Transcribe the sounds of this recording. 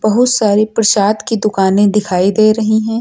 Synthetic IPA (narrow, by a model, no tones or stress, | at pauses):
b̥ɐɦʊt̪saːɾipɾɐʃaːd̪kid̪ʊkaːnẽd̪ɪkʰaːid̪eːɾɐɦiɦɛ̃ː